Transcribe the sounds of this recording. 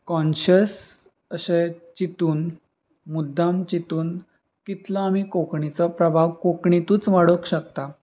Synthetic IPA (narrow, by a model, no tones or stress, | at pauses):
kɔ̃nɕəs | əɕet͡ɕit̪uːn | mud̪ʱːamt͡ɕit̪uːn | kit̪laːm̤iːkokɳit͡sɔpɾəbʱaʋkokɳit̪uːt͡sʋaɽəkɕəkt̪a